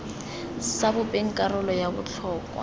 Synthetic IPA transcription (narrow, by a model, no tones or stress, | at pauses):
sabʊpʼeŋ̩kʼarɔlɔjabʊt͡ɬʰɔːkʼwa̰